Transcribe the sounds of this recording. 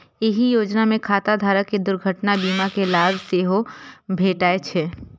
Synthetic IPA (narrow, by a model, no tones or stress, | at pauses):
ɪɦijoːd͡ʒnamẽkʰaːt̪ad̪ʱaːɾəkːed̪ʊɾɡʱəʈnabiːmakelaːbseːɦobʱeːʈaːet͡ʃʰe